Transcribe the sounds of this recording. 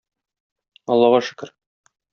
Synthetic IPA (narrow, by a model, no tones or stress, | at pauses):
ɒlˠːɑʁɑʃɘ̥̆kɘ̆ɾ